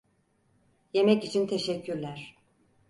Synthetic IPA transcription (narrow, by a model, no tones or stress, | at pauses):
je̞mɛcit͡ʃʰint̪ʰe̞ʃɛcʰːyɾlʲæɾ̥